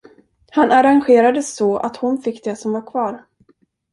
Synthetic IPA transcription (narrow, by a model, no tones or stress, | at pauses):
hanaɾanɧeːɾad̪əsɔa̰t̪hʊnfɪkːd̪ɛsɔmvaɾkʰvɑːɾ